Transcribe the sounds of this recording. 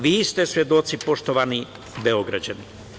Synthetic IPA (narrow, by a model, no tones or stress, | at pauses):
ʋiːst̪e̞sʋje̞d̪o̞t̪sipo̞ʃt̪oʋani | beoɡɾad͡ʑani